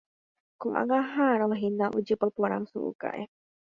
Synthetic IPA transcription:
koʔa̰ŋaɦaɾolaɦinaʔud͡ʒɨpapoɾa̰ŋsṵʔṵka̰ʔe

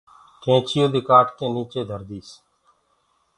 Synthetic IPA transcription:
kẽːt͡ʃʰɪjoːd̪ɪkaːʈkeːniːt͡ʃeːd̪ʱəɾd̪iːs

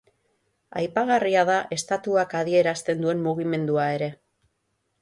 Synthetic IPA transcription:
a̰jpaɣ̞ariaðaʔe̞st̪at̪uakað̞ie̞ɾast̪e̞nd̪ue̞mmuɣ̞ime̞nd̪uae̞ɾe̞

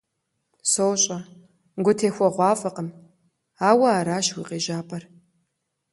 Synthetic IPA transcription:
sowɕʼɐ | ɡʷʊtʰeːxʷɔʁʷɑːfʼɐqəm | aːwɐaːɾaːʃwiːqeːʒaːpʼɐr

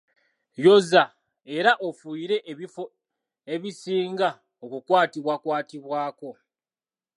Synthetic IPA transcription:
jo̞za | e̞ɾaʔofuiɾe̞ʔio | e̞βisiːŋɡa | okukwaːtiβwakwaːtiβwaːko̞

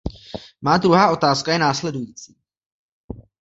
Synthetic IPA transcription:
maːd̪ɾuɦaːʔo̞t̪aːskajɛnaːslɛdujiːt͡siː

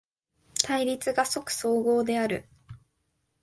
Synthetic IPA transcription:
t̪ʰaiɾʲit͡sɨɡaso̞kɯ̟̥so̞ːɡo̞ːd̪e̞aɾɯ̟

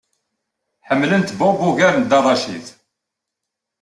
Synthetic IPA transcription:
ħəmːlənt̪bɔbuʝæɾnd̪ɑrˤːɑʃiθ

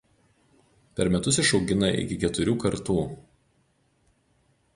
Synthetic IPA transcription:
pʲɛɾmʲɛt̪ʊs̬ɪʃɒʊɡʲɪnɐʔɪ̰kʲɪkʲɛt̪ʊɾʲuːkɐɾt̪uː

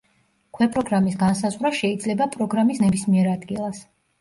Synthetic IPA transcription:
kʰwɛpʼɾɔɡɾamisɡansazʁɾaʃɛid̪zlɛbapʼɾɔɡɾamisnɛbismiɛɾad̪ɡilˠas

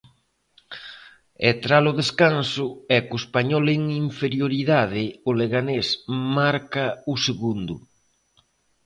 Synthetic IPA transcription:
et̪ɾalʊðeskansʊɛkoespaɲɔleŋiɱfeɾjoɾiðað̞ɪoleɣanesmaɾkaʊseɣund̪ʊ̰

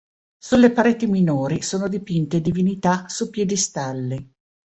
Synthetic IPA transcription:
sulːepaɾeːt̪iminoːɾisoːnod̪ipint̪ed̪ivinit̪asupjɛːd̪ist̪alːi

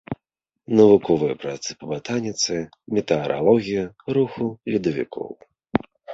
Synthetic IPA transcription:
nɐvukɔvɨjɐpɾat̪sɨ̥pɐbat̪anʲit̪sɨ | mʲɛt̪ɛɐɾʔa̰lˠɔɣʲijɐɾuxulʲid̪ɐvʲḭkʰɔ̰w

